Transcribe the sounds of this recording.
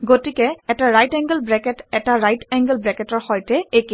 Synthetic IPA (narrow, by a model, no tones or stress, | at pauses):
ɡotikɛɛtaɹajtɛŋɡəlbɹɛkɛtɛtaɹajtɛŋɡəlbɹɛkɛtɔɹhɔjtɛeki